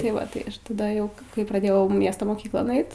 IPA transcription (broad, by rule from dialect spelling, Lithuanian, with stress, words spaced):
tɐɪ ˈʋɐ ˈtɐɪ tɐˈdɐ ˈjɛʊ kɐɪ kɐɪ prɐˈdʲeːjɛʊ ˈmʲiɛstoː moːˈkʲiːklˠoːn ˈɐɪt